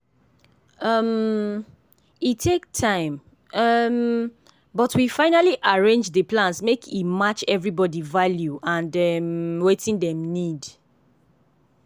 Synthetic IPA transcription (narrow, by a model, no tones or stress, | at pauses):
ʌm | itʰek̚tʰãɪ̃m | ʌm | bɔtʰwifãɪnaliʔaɹẽnd͡ʒdəplãnsmekʰimat͡ʃɛvɹibɔdivaljuʔãndɛmwetʰĩndɛ̃mnid